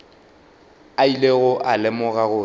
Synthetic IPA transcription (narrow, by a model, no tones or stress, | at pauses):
aileɣʊʔalɪmʊɣaɣʊː